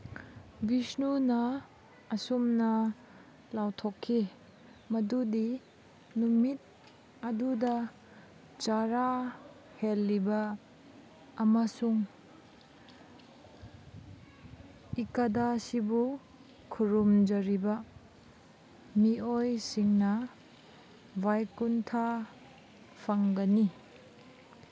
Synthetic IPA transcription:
bisnunɐː | sumnɐ | lawtʰokʰːi | mɐdudi | numit̚ | ɐdudɐ | t͡ʃaɾa | helːibɐ | masuŋ | ikɐdasibu | kʰuɾumd͡ʒɐɾibɐ | miojsiŋnɐ | bʱajkuntʰa | pʰaŋɡɐni

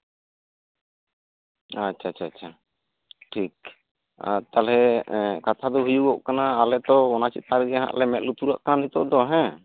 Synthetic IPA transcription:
at͡ʃt͡ʃʰaat͡ʃʰat͡ʃʰa | ʈʰik̚ | a̰t̪alɛkat̪ʰad̪ɔɦujuɡɔʔkanaːlɛt̪ɔɔnat͡ʃit̪̚aɾɡɛɦã̰ʔlɛmɛt̪̚lut̪uɾaʔkananit̪ɔ̰ʔd̪ɔɦɛ̃

